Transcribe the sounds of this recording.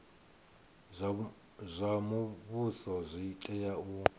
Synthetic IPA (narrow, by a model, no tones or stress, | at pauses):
zʷamuβusɔzʷitʼɛjau